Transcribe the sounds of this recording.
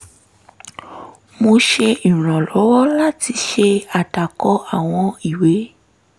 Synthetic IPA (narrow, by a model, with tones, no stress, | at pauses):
mo˧ʃe˧i˨ɾ̃ã˨lɔ˨˦wɔ˦la˦ti˧ʃe˧a˨ta˨kɔ˨˦a˦˨w̃ɔ̃˧i˨we˨˦